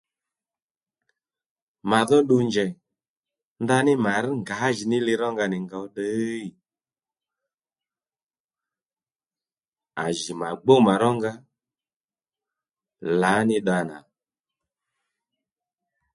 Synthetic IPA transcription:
ma˨ðɔ˦ɗu˧ɲd͡ʒɛ˨ | nda˧nɪ˦ma˨ɾ̩˦ŋɡa˨˦ʒi˨nɪ˦li˧ɾɔ˦ŋɡa˧nɪ˨ŋɡa˨˦ɗə˦i˨ | a˨ʒi˨ma˨ɡ͡bo˦ma˨ɾɔ˦ŋɡa˧ | la˨˦nɪ˦ɗa˧na̰˨

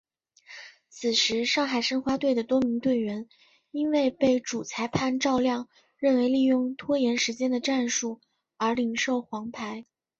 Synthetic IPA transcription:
t͡sʰɹ̩˨˩ʂɻ̩˧˥ʂɑ˥˩ŋxa˨˩ɪʂə˥ŋxwa˥t̪we˥˩ɪd̪ə˩t̪wɔ˥mi˧˥ŋt̪we˥˩ɪɥɛ˧˥n | i˥nwe˥˧ɪpe˥˩ɪʈ͡ʂu˨˩t͡sʰa˧˥ɪpʰa˥˧nʈ͡ʂɑ˥˧ʊljɑ˥˧ŋ | ɻə˥˩nwe˧˥ɪli˥˧jʊ˥˧ŋt̪ʰwɔ˥jɛ˧˥nʂɻ̩˧˥t͡ɕjɛ˥nd̪ə˨ʈ͡ʂa˥˧nʂu˥˩ | ə˞˧˥li˧˩ŋʂo˥˩ʊxwɑ˧˥ŋpʰa˧˥ɪ

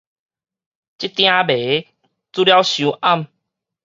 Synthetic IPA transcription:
t͡ɕi˦t̪j̃ã˦be˨˦ | t͡su˦lja˦wɕjũ˨˦ʔa˥˧˨m

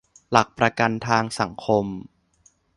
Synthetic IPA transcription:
la˨˩k̚pɾa˧ka˧nt̪ʰaː˧ŋsa˩˦ŋkʰo˧m

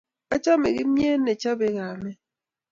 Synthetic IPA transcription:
a˦t͡ʃa˦mɛ̰˨ɣi˦m˦e˦nɛ˨t͡ʃa˦bɛ˨ɣaː˨mɛ˦

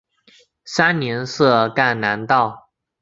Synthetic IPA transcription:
sa˥nnjɛ˧˥nsɤ˥˧ka˥˩nna˧˥nt̪ɑ˥˩ʊ

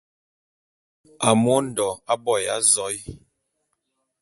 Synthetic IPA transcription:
a˨mo˦n̩˨dɔ˨a˦bɔ˦˨ja̰˦zɔ˨˦j

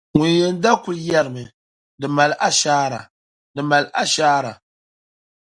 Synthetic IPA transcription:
ŋʊ˨n˦jɛ˨n˦da˦ku˨lja˦ɾɨ˨mɨ˨ | dɨ˨ma˨lʔa˦ʃaː˦ɾa̰˨ | dɨ˨ma˨lʔa˦ʃaː˦ɾa̰˨

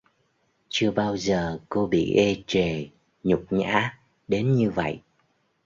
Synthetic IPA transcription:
t͡ɕɨ˧əɓaː˧wzəː˨˩ko˧ɓḭ˧˨ʔɛ˧t͡ɕe˨˩ | ɲʊ˨˩k͡p̚ɲa̰ː˧˥ | ɗe˨˦nɲɨ˧və̰˧˨jʔ

